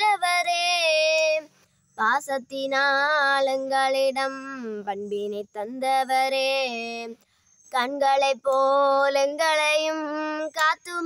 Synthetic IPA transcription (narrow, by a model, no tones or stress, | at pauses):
ɐʋɐɾeː | paːsɐt̪ːɪnaːlɛŋɡɐɭɪɽɐmpɐɳbɪnɐɪt̪ːɐnd̪ɐʋɐɾeː | kɐɳɡɐɭɐɪpːoːlɛŋɡɐɭɐjɯmkaːt̪ːɯm